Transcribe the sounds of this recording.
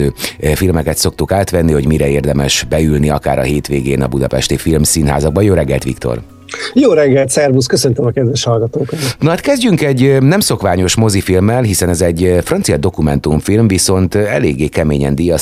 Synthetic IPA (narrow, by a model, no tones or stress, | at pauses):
øːfilmɛkɛt̪so̞k̚t̪ukaːt̪ʋɛnːiho̞ɟmiɾɛeːrd̪ɛmɛʃbɛylniɒka̰ːɾɒ̰ɦeːt̪ʋeːɡeːnɒ̰bud̪ɒpɛ̰ʃt̪ifilmsinɦa̰ːzɒɡ̚bɒjoːɾɛɡːɛ̰lt̪ʋḭkt̪o̞̰r | joːɾɛɡːɛlt̪sɛrbuskøsønt̪ømɒkɛd̪ʋɛʃhɒlɡɒt̪oːkonnoaːt̪kɛzɟyŋkɛɟːnɛmso̞kʋaːɲo̞ʃmo̞zifilmːɛlɦisɛnɛzɛɟːfrɒnt̪sijɒd̪o̞kumɛnt̪uɱfilmviso̞nt̪ɛ̰leːɡːeːkɛmeːɲɛnd̪ijɒ